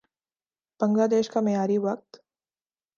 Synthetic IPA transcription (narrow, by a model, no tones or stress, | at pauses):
b̥ə̃ŋɡlaːd̪eːʃkamejaːɾiʋɐk̚t̪